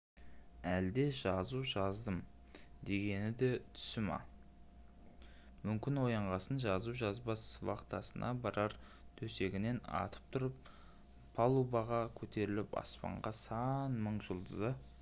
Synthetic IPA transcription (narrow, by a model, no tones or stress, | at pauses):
æld̪e̞ʒɑzuʒɑzd̪əm | d̪e̞ɡʲe̞nɪd̪e̞t̪ʰʏ̥sɪmɑ̰ | mʏmkʲɪnwo̞jɑɴʁɑsənʒɑzuʒɑzbɑswɑ̰qt̪ɑsənʔɑbɑɾɑɾ | t̪ʰɵse̞ɡʲɪne̞nɑ̰t̪ʰə̥p̚t̪ʰʊɾəp̚ | pʰːɑlˠubɑʁɑkʲʰɵt̪ʰe̞ɾɪlɪpɑ̰spɑ̰ɴʁɑsɑnməɴʒəlˠd̪əzə